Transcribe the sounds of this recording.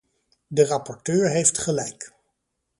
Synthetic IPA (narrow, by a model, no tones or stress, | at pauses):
dərɑpɔɹtøːɹɦejftχəlɛjk